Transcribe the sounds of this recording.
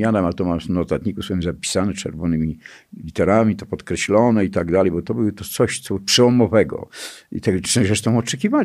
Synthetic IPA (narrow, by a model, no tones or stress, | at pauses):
anɛmat̪ɔmamsnɔt̪at̪ɲikuswɛmzapʲi̥sanɛt͡ʂɛ̰ɾvɔnɘmʲi | lʲit̪ɛɾamʲit̪ɔpɔt̪kɾɛɕlɔnɛit̪aɡd̪alɛjbɔt̪ɔbɨwt̪ɔt̪sɔɕt̪sɔuʂɛɔmɔvɛɡɔ̰ḭt̪ɛɡɛɾɛʂt̪ɔ̃w̃ɔt͡ʂɛkʲival